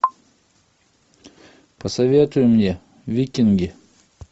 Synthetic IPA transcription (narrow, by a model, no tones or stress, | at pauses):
pəsɐvʲet̪ʊjʊmnʲe | vʲikʲɪnɡʲɪ